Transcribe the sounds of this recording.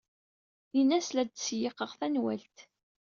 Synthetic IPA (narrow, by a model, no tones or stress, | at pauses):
inːæslæd̪sjɪqəʁθænwælt̪